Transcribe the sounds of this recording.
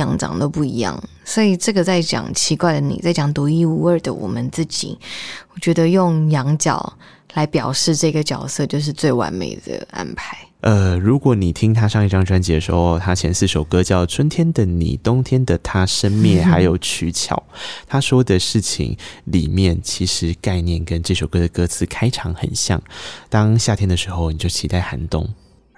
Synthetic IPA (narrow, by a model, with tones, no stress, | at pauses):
jɑ˧˥ŋʈ͡ʂɑ̰˨˩ŋt̪o˥ʊpu˥˩i˧˥jɑ̰˥˩ŋ | swɔ˧˥i˨˩ʈ͡ʂɤ˥˩ɡə˩t͡sa˥˩ɪt͡ɕjɑ̰˨˩ŋt͡ɕʰi˧˥kwa˥˩ɪlə˩nḭ˨˩t͡sa˥˩ɪt͡ɕjɑ˨˩ŋt̪uɔ˧˥i˥˧u˧ə˞˥˧˩d̪ə̰˨wɔ̰˨˩mə˦nt͡sɹ̩˥˩t͡ɕḭ˨˩˦wɔ˨˩t͡ɕɥɛ˧˥d̪ə˧jʊ˥˩ŋjɑ˧˥ŋt͡ɕjɑ̰˨˩ʊ | la˧˥ɪpjɑ˨˩ʊʂɻ̩˥˧ʈ͡ʂɤ˥˩˧ɡə˩t͡ɕjɑ˨˩ʊsɤ˥˧t͡ɕjo˥˧ʊʂ̬ɻ̩˥˧t͡swe˥˩ɪwa̰˧˥nmḛ˨˩ɪd̪ə̰˧˩a̰˥npʰa˧˦ɪ | ʔə˧ɻu˧˥kwɔ˨˧˦ni˨˩t̪ʰi˦˥ŋt̪ʰa˥ʂɑ˥˧ŋi˥˩ʈ͡ʂɑ˥˧ŋ˧˩ʈ͡ʂwa˥nt͡ɕɛ˧˥d̪ə˧˩ʂɻ̩˧˥xo˥˧ʊt̪ʰa˥t͡ɕʰjɛ˧˥nsɹ̩˥˩ʂo˨˩ʊkɤ˦t͡ɕjɑ˥˩ʊt͡sʰwə˥nt̪ʰjɛ˥nd̪ə˨nḭ˨˩t̪ʊ˥ŋt̪ʰjɛ˥nd̪ə˨t̪ʰa˥ʂə˥nmjɛ˥˩xa˧˥ɪjo˨˩ʊt͡ɕʰy˧˥t͡ɕʰjɑ̰˨˩˦ʊt̪ʰa˥ʂwɔ˥d̪ə˨ʂɻ̩˥˩t͡ɕʰḭ˨˩ŋlḭ˨˩mjɛ˥˩nt͡ɕʰi˧˥ʂɻ̩˧˥ka˥˧ɪnjɛ˥˩nkə˦nʈ͡ʂɤ˥˩ʂo˨˩ʊkɤ˥d̪ə˨˩kɤ˥t͡sʰɹ̩˥˩kʰa˥ɪʈ͡ʂʰɑ˧˥ŋxə̰˨˩nɕjɑ̰˥˩ŋt̪ɑ˥ŋɕja˥˨t̪ʰjɛ˥nd̪ə˨ʂɻ̩˧˥xo˥˧ʊni˨˩t͡ɕjo˥˩ʊt͡ɕʰi˧˥t̪a˥˩ɪxa˧˥nt̪ʊ̰˥ŋ